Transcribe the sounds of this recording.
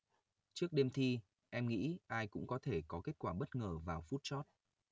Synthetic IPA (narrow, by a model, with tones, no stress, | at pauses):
t͡ɕɨ˦˥ək̚ɗe˧mt̪ʰi˧ | ʔɛ˧mŋḭ˧˥ʔaː˧jkʊ̰˧˥ŋ͡mkɔ˨˦t̪ʰe˧˩kɔ˨˦ke˦˥t̚kwaː˧˩ɓə˦˥t̚ŋəː˧˩vaː˨˩wfu˦˥t̚t͡ɕɔ˦˥t̚